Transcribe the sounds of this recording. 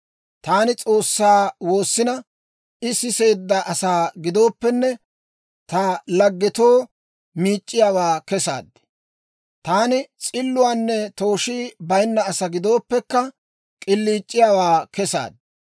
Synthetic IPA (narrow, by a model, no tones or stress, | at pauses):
t̪aːnɪt͡sʼo̞ːsːaːwo̞ːsːɪnɐ | ʔɪsɪse̞ːd̪ːɐʔɐsaːɡɪd̪o̞ːpːɛnːɛ | t̪ɐlɐɡːɪt̪o̞ː | miːt͡ʃʼːɪjaːwaːkɛsa̰ːd̪ːɛ̥ | t̪aːnɪt͡sʼɪlːʊwaːnːɛt̪o̞ːʃiːbɐjnːɐːsɐɡɪd̪o̞ːpːɛkːɐ | kʼɪlːiːt͡ʃʼːɪjaːwaːkɛsa̰ːd̪̚